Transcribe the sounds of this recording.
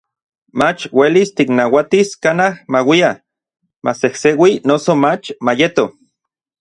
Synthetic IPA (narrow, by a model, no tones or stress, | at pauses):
mat͡ʃwelist̪iknawat̪iskanahmawia | masehsewinosomat͡ʃmajet̪o